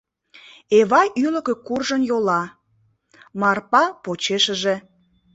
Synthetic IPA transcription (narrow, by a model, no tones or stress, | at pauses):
eβɑjʔyləkĕkurʒənjolɑ | mɑrpɑpot͡ɕeʃəʒe